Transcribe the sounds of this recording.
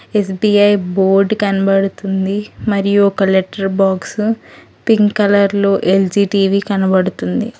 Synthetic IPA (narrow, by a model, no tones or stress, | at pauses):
esbiɐjboːɾɖkɐnɐbɐɽut̪und̪imɐɾijuɔkɐleʈːɐɾbaːks | piŋɡkɐlɐɾloːʔeld͡ʒiːʈiːʋikɐnɐbɐɽut̪und̪i